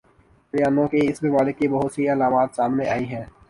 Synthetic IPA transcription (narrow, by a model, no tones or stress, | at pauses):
ɾjaːnõkeɪsbemaːlɪkːibɐɦʊt̪sɐiɐlaːmaːt̪saːmneaːiɦɛ̃ː